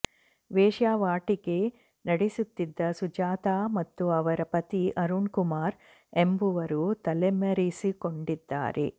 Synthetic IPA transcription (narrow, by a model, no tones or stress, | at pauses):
ʋeːʃaːʋaːʈiɡe | nɐɽisut̪ːid̪ːɐsud͡ʒaːt̪aːmɐt̪ːuɐʋɐɾɐpɐt̪iʔɐɾuɳkumaːɾ | embuʋɐɾut̪ɐlemɐɾisikoɳɖid̪ːa̰ːɾḛ